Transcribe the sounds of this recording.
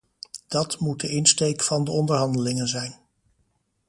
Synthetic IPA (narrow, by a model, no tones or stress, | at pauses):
d̥ɑtmut̚dəʔɪnstejkfɑndəɔndəɹɦɑndəlɪŋənzɛjn